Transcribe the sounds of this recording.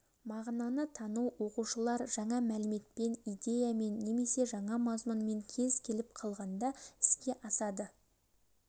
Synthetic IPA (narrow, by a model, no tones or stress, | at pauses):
mɑʁnɑnət̪ʰɑnuwwo̞quʃəlˠɑɾʒɑɴɑmælɪme̞t̪̚pe̞nijd̪e̞jame̞nːe̞me̞se̞ʒɑɴɑmɑzmʊnme̞ŋkʲʰe̞zkʲʰe̞lɪp̚qʰɑlˠʁɑnd̪ɑɪ̥skʲe̞ʔɑsɑd̪ə